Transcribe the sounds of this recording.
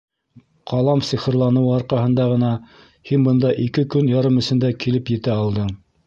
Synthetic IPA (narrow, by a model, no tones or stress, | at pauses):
qʰɑlˠɑmsiχɤ̆ɾlˠɑnɤ̆wɑɾqɑɦɤ̆nd̪ɑʁɤ̆nɑ | hinbɤ̆nd̪ɑʔikɘkɵnjɑɾɤmɵ̆sɘ̆nd̪ækilɘpjɘ̆t̪æɑlˠd̪ɤɴ